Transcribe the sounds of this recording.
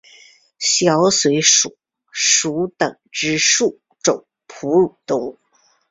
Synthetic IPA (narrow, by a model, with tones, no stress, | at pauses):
ɕjɑ˧˥ʊswe˧˥ɪʂu˨˩˦ | ʂu˧˥t̪ə˨˩ŋʈ͡ʂɻ̩˥ʂu˥˩ | ʈ͡ʂʊ˨˩˦ŋ | pʰu˧˥ɻu˨˩t̪ʊ˥ŋ